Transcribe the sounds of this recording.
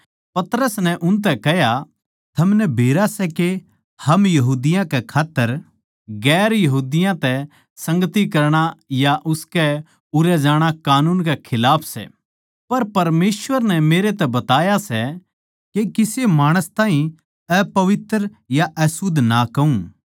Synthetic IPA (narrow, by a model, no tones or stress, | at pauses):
pɐt̪ɾəsnɛ̃ʔʊnt̪̬ɛkɛɦja | t̪ʰɐmnɛbʱeːɾasɛke | hɐmjɐɦuːd̪ɪjãkɛkʰaːt̪ːəɾ | ɡɛːɾjɐɦuːd̪ɪjãt̪ɛ | sɐ̃ŋɡət̪ikɐɾɽ̃ajaʔʊskɛ | ʊɾɛd͡ʒaːɽ̃akaːnuːnkɛkʰɪlaːpʰsɛ̰ | pɐɾpɐɾmeːsʋəɾnɛmeːɾet̪ɛbɐt̪aːjasɛ | kekɪsemaːɽ̃əst̪ãːɦĩ | ɛpɐʋɪt̪ɾ | jaʔɛsʊd̪ʱnakɐũ